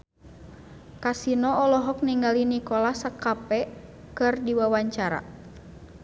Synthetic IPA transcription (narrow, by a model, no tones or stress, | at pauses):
kasinɔɔlɔɦɔk̚niŋɡalinikɔlahsakapɛ | kɨrdiwawaɲt͡ʃaɾa̰